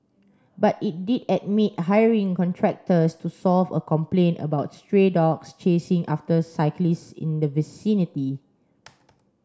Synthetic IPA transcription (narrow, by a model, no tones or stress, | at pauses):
batit̚didɛd̚mit̚ɦajəɹĩŋkɔ̃ntʰɹɛk̚təstusɔlvə̰kɔ̃mplẽnə̰baʊt̚stɹedɔkst͡ʃesĩŋʔaftəsaɪklistḭ̃ndəvisĩniti